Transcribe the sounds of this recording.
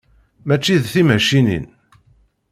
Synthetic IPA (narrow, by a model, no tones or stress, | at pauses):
mæt͡ʃːiðθimæʃinḭn